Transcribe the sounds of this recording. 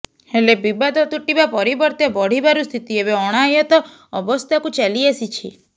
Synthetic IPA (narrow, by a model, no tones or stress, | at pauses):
helebibad̪ɔt̪uʈibapɔɾibɔɾt̪ebɔɽ̤ibaɾust̪ʰit̪iebeɔɽ̃ajɔt̪ɔ | ɔbɔst̪ʰakut͡ʃaliesit͡ʃʰḭ